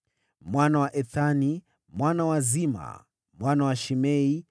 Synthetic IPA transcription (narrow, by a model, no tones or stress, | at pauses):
mwanawaʔɛθani | mwanawazima̰ | mwanawaʃimɛi